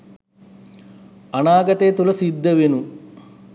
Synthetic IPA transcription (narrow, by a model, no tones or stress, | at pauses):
ɐɳaːɡɐt̪eːt̪ulɐsid̪ʱːɐʋinu